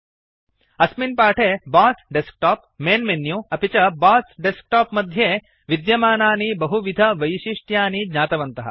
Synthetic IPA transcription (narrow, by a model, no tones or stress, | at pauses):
ɐsminpaːʈʰeːbaːsɖesk̚ʈaːp̚meːnmenjuɐpit͡ʃɐbaːsɖesk̚ʈaːpmɐd̪ʱjeː | ʋid̪jɐmaːnaːnibɐɦuʋid̪ʱɐʋɐjʃiʂʈjaːnidɲaːt̪ɐʋɐnt̪ɐɦɐ̰